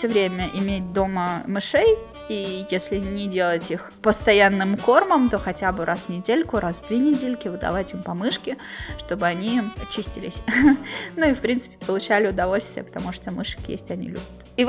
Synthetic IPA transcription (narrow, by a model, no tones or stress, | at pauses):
fsʲovɾʲemʲəʔɪmʲetʲd̪o̞məmɨʂej | ijesʲlʲɪnʲɪdʲe̞lˠətʲix | pəst̪ɐjanːɨmko̞rməmt̪o̞xɐtʲabɨɾʔasvnʲɪdʲelʲkʊɾasd̪vʲenʲɪdʲelʲkʲɪvɨd̪ɐ̰vatʲimpɐmɨʂkʲɪʂt̪o̞bɨɐnʲiɐt͡ɕisʲtʲɪlʲɪ̰sʲ | nuifpɾʲint̪sɨ̥pʲɪ̥pəlˠʊt͡ɕælʲɪʊd̪ɐvo̞lʲst̪vʲɪjə̰pə̥t̪ɐmuʂt̪omɨʂɨ̥kjḛsʲtʲɐnʲḭlʲṵbʲʊt̪i